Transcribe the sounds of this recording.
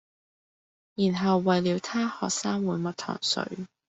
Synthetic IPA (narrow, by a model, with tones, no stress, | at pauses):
jiː˨˩nɦɐ˨wːɐ˨jliː˨˧wt̪ʰaː˥hɔː˨k̚saː˥ŋwuː˨˧jmɐ˨˩t̪ʰɔ̰ː˨˩ŋsɵ̰˨˧˥ɥ